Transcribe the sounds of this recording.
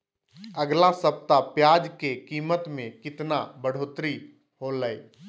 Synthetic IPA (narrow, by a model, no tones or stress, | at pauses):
əɡlasəp̚t̪apjaːd͡ʒkekiːmət̪mẽkɪt̪nabəɽ̤ʱoːt̪ɾi | ɦoləj